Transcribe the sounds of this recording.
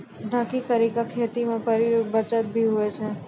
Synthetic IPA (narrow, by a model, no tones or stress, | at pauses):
ɖʱãkik̪əɾikakʰet̪imãpəɾiɾubət͡ʃat̪̚bʱiɦoet͡ʃʰe